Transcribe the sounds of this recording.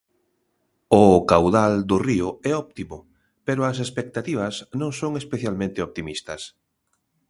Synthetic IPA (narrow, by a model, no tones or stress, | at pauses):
ʊkawðald̪ʊriʊɛɔp̚t̪imʊ | peɾʊɐsespek̚t̪at̪iβ̞ɐsnõŋsoŋespeθjalmẽnt̪ɪop̚t̪imist̪ɐs